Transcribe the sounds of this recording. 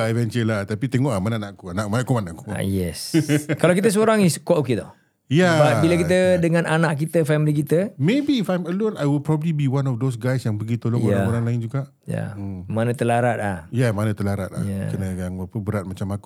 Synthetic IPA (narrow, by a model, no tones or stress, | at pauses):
avɛnt͡ʃəlaht̪apit̪eŋɔʔamananaʔkuanaʔmanakumanaku̥a̰jɛ̰skalawkit̪əs̬əoɾaŋiskuaʔoked̪ɔ̰ | jababilak̬it̪ədəŋãnʔanaʔkit̪əfɛmilik̬it̪əmebiːfajməlʊnajwəl̚pɾɔbəblibiwanɔfd̪osɡajsjaŋpəɡit̪oloŋoɾaŋoɾaŋlaɪnd͡ʒuɡaʔ | ja̰əmmanə̃t̪əlaɾat̪̚lahjamanə̃t̪əlaɾat̪̚la̰akənəjaŋəpəbəɾat̪̚mat͡ʃamaku̥